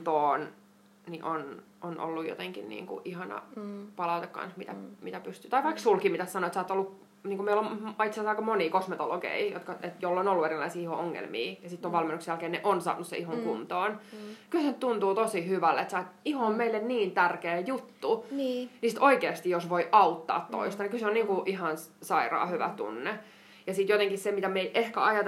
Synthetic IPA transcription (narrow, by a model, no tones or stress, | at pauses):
t̪oːn | niʔon | onʔo̰lːujo̰t̪eŋkḭnnḭːŋkṵʔihɑnɑ̰pɑlɑut̪ekkɑ̰nsmit̪æmit̪æpyst̪yːt̪ɑiʋɑiksulkimit̪æssɑnoet̪sɑːt̪ːolːuk | niːŋkumeilomit̪selsɑikɑmoniːkosmet̪oloɡḛijo̰t̪kɑet̪jolːonolːueɾilɑisiːihooŋːḛlmḭːjɑsit̪ːoʋʋɑlmenːuksjælkeːneʔonsɑ̰ːnːussḛihoŋkunt̪oːnkylsenyt̪t̪unt̪uːt̪osihyʋælːeet̪sæːt̪ihoommeilːenniːnt̪ærkeːjut̪ːunːnisit̪oikeːɑst̪ijjosʋoiʔɑut̪ːɑ̰ːt̪to̰ist̪ɑnikylseoniːŋkuʔihɑn | sɑirɑ̰ːhyʋæ̰t̪ṵnːe | jɑsiːˑt̪jot̪eŋkissemit̪æmeiʔehkæ̰ɑjɑt̪